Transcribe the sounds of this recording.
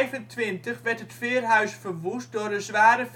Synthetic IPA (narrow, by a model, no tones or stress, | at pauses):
jvəntʋɪntəχʋɛrtətfɪːərɦœɥsfərʋus̚dʊrdəzʋaːɾəf